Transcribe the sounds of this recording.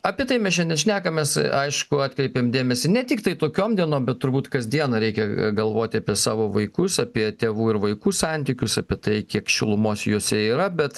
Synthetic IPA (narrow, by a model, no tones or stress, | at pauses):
ɑpʲiɛt̪ɐɪmʲɛsʃʲɛnʲdʲɛnʃʲnʲæːkɐmʲɛsɐɪʃkʊɑːt̪ʲkɾʲɛɪpʲeːmd̪ʲeːmʲɛsʲɪnʲɛt̪ʲɪkt̪ɐɪt̪oːkʲoːmd̪ʲiɛnoːmbʲɛtt̪ːʊɾbuːt̪kɐzʲd̪ʲiɛnɐɾʲɛɪkʲɛɡɐlˠʋoːt̪ʲɪɐːpʲiɛsɑːʋoːʋɐɪkʊsɐpʲiɛt̪ʲeːʋuːɪɾʋɐɪkuːsɑnʲt̪ʲiːkʲʊsɐpʲiɛt̪ɐɪkʲiɛkʃʲɪlˠʊmoːsjoːsʲɛiːɾɐbʲɛt̪